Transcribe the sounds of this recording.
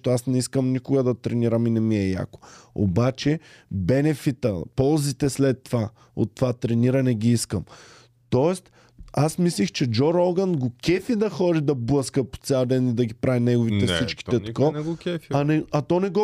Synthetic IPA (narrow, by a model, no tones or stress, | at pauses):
t̪oasnɛiskəmnikʊɡəd̪ɐt̪ɾɛniɾəminɛmiɛja̰ko̥o̰bat͡ʃɛbɛnɛfit̪ə̰pɔlˠzit̪ɛslɛt̪ːova | o̰t̪ːovat̪ɾɛniɾɐnɛɡʲiiskəm | t̪ɔɛst̪ | asmislixt͡ʃɛd͡ʒɔɾɔlɡənɡokɛfid̪ɐxɔɾid̪ɐbləskəpo̥t̪sʲalˠd̪ɛnid̪ɐɡipɾʔavinɛɡovit̪ɛssit͡ʃki̥t̪ɛt̪kɔɡkɛfɐnɛɐt̪ɔnɛɡɔ